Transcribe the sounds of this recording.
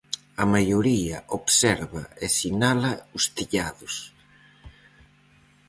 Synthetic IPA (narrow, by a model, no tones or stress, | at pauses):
ɐmajoɾiɐʔoβsɛɾβɐ̰esinalɐust̪iʎaðʊs